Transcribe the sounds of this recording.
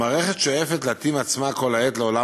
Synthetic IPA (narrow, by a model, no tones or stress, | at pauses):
aːʁeχet̪ʃojefet̪leat̪imat͡smako̞laet̪leola